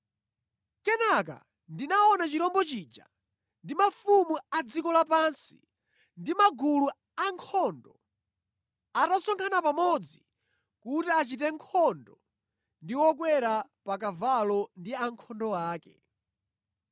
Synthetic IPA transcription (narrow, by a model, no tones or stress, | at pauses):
kɛnak̬a̰ | ndinaɔnat͡ʃiɾɔmbɔt͡ʃiːd͡ʒa̰ | ndimafumuad͡zikɔlapansi̥̰ | ndimaɡulu | aŋkʰɔndɔ | atasɔŋkʰanapamɔd͡zi | kutiat͡ʃitɛŋkʰɔndɔ | ndiwɔk̬wɛɾapak̬avalɔndiaŋkʰɔndɔwaːkɛ